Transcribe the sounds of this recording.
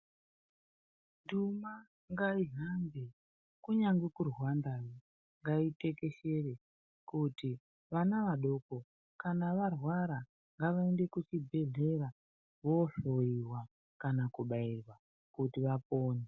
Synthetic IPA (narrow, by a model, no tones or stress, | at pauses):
nduma | ŋɡaiɦambe | kuɲaŋɡekurwandajo | ŋɡaite̞ke̞ʃe̞re | kuti | ʋanaʋaɗo̞ko̞ | kanaʋarwaɾa | ŋɡaʋaende̞kut͡ʃibʱe̞ɮe̞ra | ʋo̞ɬo̞iwa | kanakuɓairwa | kutiʋapoːne